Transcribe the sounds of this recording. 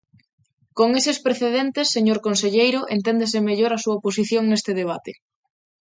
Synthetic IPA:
koŋesespɾeθeðent̪esːeɲoɾkonseʎejɾʊʔent̪end̪es̬emeʎoɾasuɐopos̬iθjoŋnest̪eð̞eβ̞at̪e

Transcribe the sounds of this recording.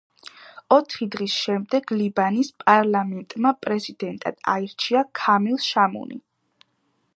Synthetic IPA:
ɔt̪ʰχid̪ʁisʃɛmd̪ɛɡlibanispʼaɾlamɛnt̪ʼmapʼɾɛzid̪ɛnt̪ʼa̰d̪̥a̰iɾt͡ʃʰiakʰamilˠʃamṵnḭ

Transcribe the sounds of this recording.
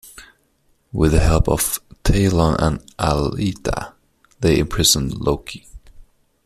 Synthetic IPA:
wɪðɨhɛlˠpʌ̰v̥tʰeɪlə̃nʔə̰̃nʔalitʰə̰ | ðeɪɪ̃mpʰɹ̥ɪzə̃nloʊkʰi

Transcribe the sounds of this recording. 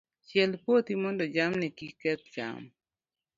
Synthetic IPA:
t͡ʃjɛlpwot̪imɔndɔd͡ʒamnɛkikɛt̪̚d͡ʒa̰m

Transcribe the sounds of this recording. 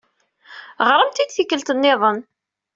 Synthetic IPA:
ʁɾˤəmt̪id̪θikːəlt̪ənːɪðˤən

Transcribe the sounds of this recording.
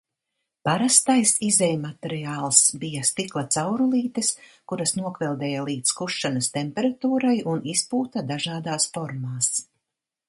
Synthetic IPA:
paɾast̪ajsizɛjmat̪ɛɾijaːlˠsbijast̪iklˠat̪sawɾulˠiːt̪iskuɾɐsnuɔkvɛlˠd̪ɛːjalˠiːt̪skuʃːanɐst̪empɛɾat̪uːɾajunispuːt̪ad̪aʒaːd̪aːsfɔɾmaːs

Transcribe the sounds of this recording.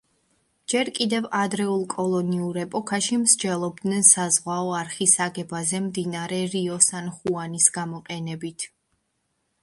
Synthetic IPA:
d͡ʒɛɾkʼid̪ɛvad̪ɾɛulˠkʼɔlˠɔniuɾɛpʼɔkʰaʃimʃd͡ʒɛlˠɔb̚d̪nɛnsazʁwaɔaɾχisaɡɛbazɛmd̪inaɾɛɾiɔsanχuanisɡamɔqʼɛnɛbit̪ʰ

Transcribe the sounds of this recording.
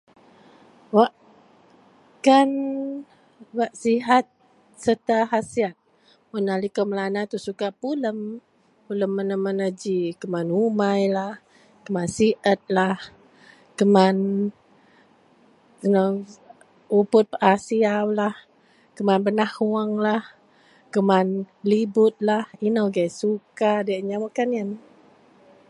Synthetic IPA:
waʔ | kan | waʔsiɦat̪̚ | sət̪aɦasiat̪̚ | munalikəmlanat̪usukapuləm | puləmːənəmənəd͡ʒikəmanumajlah | kəmansiʔət̪̚lah | kəman | inəw | upʊt̪̚pəʔasiawlah | kəmanbənahuaŋlah | kəman | libʊt̪̚lahinəwɡajsukadaʔɲawakaniən

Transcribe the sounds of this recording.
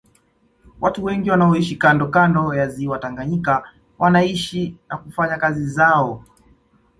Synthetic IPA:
wʔatuwɛŋɡiwanaɔiʃikandɔkandɔjaziwataŋɡaɲika | wʔanaiʃinakufaɲakazizaɔ

